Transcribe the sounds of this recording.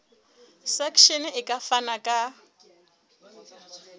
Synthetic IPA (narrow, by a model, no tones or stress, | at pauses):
sakʰʃɛnɪkʼafanakʼa